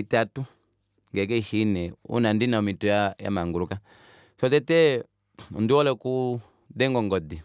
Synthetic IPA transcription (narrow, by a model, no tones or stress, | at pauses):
itatu | ŋɡɛk̬ɛiʃinɛṵnandinamitɔjaja̰maŋɡuɾuka | ʃɔtɛtɛ | nduwɔlɛku | dɛŋɡɔŋɡɔdi